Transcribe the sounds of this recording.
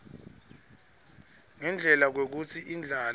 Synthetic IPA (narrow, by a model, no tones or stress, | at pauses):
ŋɛnd͡ɮʱɛlak̬wek̬ut͡sʰiʔind͡ɮʱal